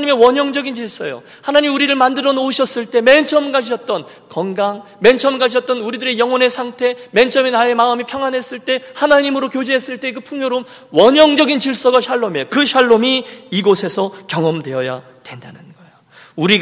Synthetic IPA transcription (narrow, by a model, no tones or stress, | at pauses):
ɲime̞wʌɲʌŋd͡ʑʌɡint͡ɕiɭs͈ʌjo̰ | hanaɲimuɾiɾɯɭmandɯɾʌnouɕʰʌs͈ɯɭt͈e̞me̞nt͡ɕʰʌmɡaɕ̬ʰʌt̚t͈ʌn | kʌŋɡaŋ | ment͡ɕʰʌmɡaɕ̬ʰʌt̚t͈ʌnuɾidɯɾe̞jʌŋwʌne̞sʰaŋtʰe̞ment͡ɕʰʌmenae̞maɯmipʰjʌŋɦwanɦe̞s͈ɯɭt͈e̞hanaɲimɯɾokjod͡ʑeɦe̞s͈ɯɭt͈e̞kɯpʰuŋjoɾom | wʌɲʌŋd͡ʑʌɡint͡ɕiɭs͈ʌɡaɕʰaɭːome̞kɯɕʰaɭːomiiɡosʰe̞sʰʌkjʌŋʌmdweʌja̰ | dwe̞nda̰nɯnɡʌejo | uɾiɡ